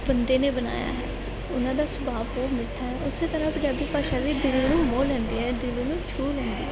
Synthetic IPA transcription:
bənd̪eːneːbəna̰ːja̰ːɦɛ̰ː | ʊnãːd̪aːsəbaːpoːmɪʈʰːaːɦɛʊseːt̪əɾãːpəd͡ʒaːbiːpaːʃaːd̪iːd̪ɪlẽːnũːmoːlɛ̃ːnd̪iːɦɛːd̪ɪlẽːnũːt͡ʃʰuːlɛ̃ːnd̪ḭːɦ

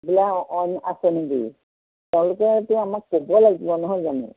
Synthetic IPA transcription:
bilaɔna̰sɔneɡḭ | tɛʊ̃lʊkɛtʊamakːobɔlaɡibɔnɔɦɔjzanḭ

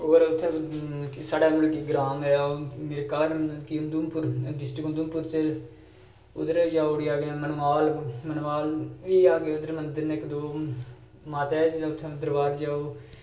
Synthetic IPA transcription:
oːɾʊt̪ʰːe | saːɽaːmʊlkeːɡɾaːmɛjaːmeːɾeːkaːɾkiʊnd̪uːmpʊɾɖɪsʈɾɪkʊnd̪umpʊɾt͡ʃel | ʊd̪əɾd͡ʒaːoɽiːaːɡːmənaːlmənaːlʋiːaːɡeʊd̪əɾmənd̪əɾnːɪkd̪oː | maːt̪ɛːt͡ʃːʊt̪ʰːẽːʊd̪əɾʋaːɾd͡ʒaːoː

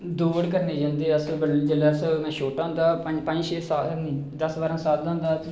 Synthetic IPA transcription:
d̪uːɽkəɾneːd͡ʒãːnd̪eːəsbəd͡ʒəlaːəsmɛ̃ːʃoːʈãːʊ̃ːnd̪aːpəd͡ʒpə̃ɲd͡ʒʃeːsaːd̪əsbaːɾãːsaːt̪d̪ãːnd̪aː

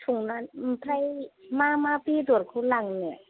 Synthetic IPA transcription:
tʰuŋnanm̩pʰɾajmamapid̪uɾkʰulaŋnɛ

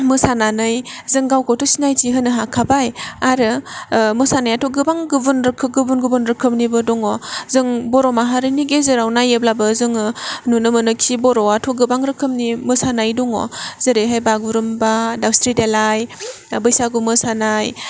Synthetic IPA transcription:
mɯsananɯjzɯŋɡawkʰɔtusinajtiɦɯnɯɦakʰabajaɾɯmɯsanajatʰɔɡɯbaŋɡɯbunɾɯkʰɯɡɯbunɡɯbunɾɯkʰɯmnibɯdɔŋɔzɯŋbɔɾɔmaɦaɾɯniɡezɯɾawnajeblabɯzɯŋnunɯmɯnɯkʰibɔɾɔatʰɔɡɯbaŋɾɯkʰɯmnimɯsanajdɔŋɔ̰zɯɾeɦajbaɡuɾɯmbadawstʰɾidelaj | bɯjsaɡumɯsanaj

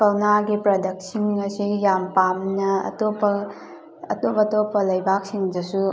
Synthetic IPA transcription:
kɐwnaɡipɾɐdɐk̚siŋɐsijampamnɐɐ̰topɐː | topɐtopɐlɐjbʱak̚siŋdɐsu

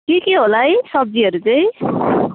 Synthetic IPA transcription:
kikeɦolajsʌb̚d͡ziʌɾut͡sʌĩ

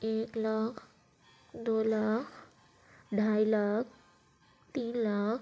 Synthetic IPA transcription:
eklakʰ | d̪oːlakʰ | ɖʱajlakʰ | t̪iːnlaːkʰ

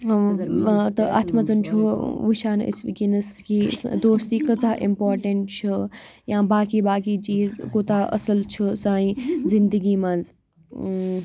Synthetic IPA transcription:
t̪ɐʔɐ̰t̪ʰmɐzɐnt͡ʃʰuʋuʃaːnḭsʋikinɐskid̪oːst̪iːkɐt͡saːʔimpoːɾʈɐɳʈ̚t͡ʃʰujãːbaːkiːbaːkiːt͡ʃiːzkoːt̪aːʔɐ̰səlt͡ʃʰusãːĩːzind̪əɡiːmɐnd͡z

